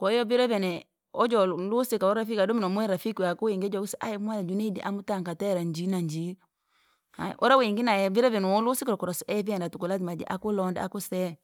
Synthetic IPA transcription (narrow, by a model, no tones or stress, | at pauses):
kɔjɔbiɾɛvɛnɛ | ɔd͡ʒɔlusikaɔɾafikadɔminɔmuɛɾafikwakuwiŋɡd͡ʒɔkusɛʔa̰jɛmualad͡ʒuneidḭʔamutaŋkatɛɾaɲd͡ʒinaɲd͡ʒi | a̰ʔɔ̰ɾaweŋɡinaɛbiɾɛvɛnɔɔlusikɾɔkɔɾɔsɔɛviandatukulatimad͡ʒɛ̰ʔa̰kulɔnda̰a̰kusɛ